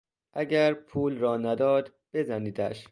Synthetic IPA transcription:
ʔæɟæɾpʰuːlɾɒːnæd̪ɒːd̪ | b̥e̞zæniːd̪æ̰ʃ

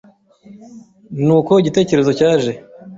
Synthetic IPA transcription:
nuːko̞iɟite̞ːce̞ɾe̞zo̞caːʒe̞

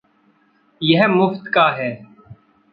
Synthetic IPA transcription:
jəɦmʊft̪kaːɦɛː

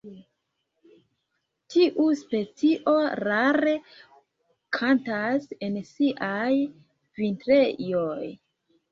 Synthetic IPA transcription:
tʰiʔuspe̞t͡siʔo̞ɾaɾe̞ | kʰantase̞nsiʔaj | vintɾe̞joj

